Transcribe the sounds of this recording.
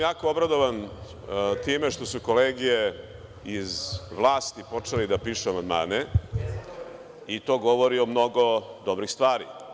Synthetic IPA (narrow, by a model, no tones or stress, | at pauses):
jaːkoobɾad̪oʋan | t̪iːmeʃt̪o̞sukoleːɡije | izʋlˠaːst̪ipo̞t͡ʂelid̪apiːʃuamand̪ma̰ːne | it̪o̞ːɡoʋoɾiomno̞ɡod̪obɾixst̪ʋaːɾḭ